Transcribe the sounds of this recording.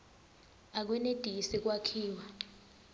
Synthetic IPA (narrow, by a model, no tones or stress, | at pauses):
ak̬wɛned̥ʼʱiisik̬ʼwakʰiːwa